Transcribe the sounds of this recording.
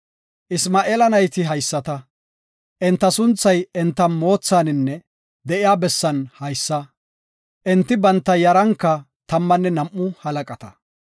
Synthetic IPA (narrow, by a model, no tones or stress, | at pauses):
ʔɪsmaːʔeːlɐnɐjt̪ɪɦɐjsːɐt̪ɐ | ʔɛnt̪ːɐsʊnt͡sːɐjɛnt̪ːɐmo̞ːt͡sːaːnɪnːɛ | d̪ɛʔɪjaːbɛsːɐnhɐjsːɐ | ʔɛnt̪ːɪbɐnt̪ːɐjɐɾɐŋkːɐ | t̪ɐmːɐnːɛnɐmʔːʊhɐlɐkʼɐt̪ɐ̥